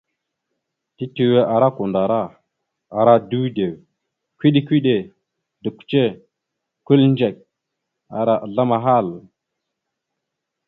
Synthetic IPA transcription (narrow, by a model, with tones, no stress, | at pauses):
ti˦ti˨we˦ʔa˨ɾa˦ku˨nda˨ɾa˦˨ | a˨ɾa˦du˦wde˨w | kʷi˦ɗi˦kʷi˦ɗe˨ | də˨kʷt͡ʃe˦˨ | ku˦lnd͡ʒe˨k̚ | a˨ɾa˦ʔɮa˦ma˨ɦa˦˨l